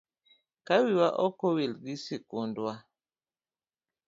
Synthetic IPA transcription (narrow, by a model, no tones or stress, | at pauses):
kawiwaʔɔkowilɡisikundwa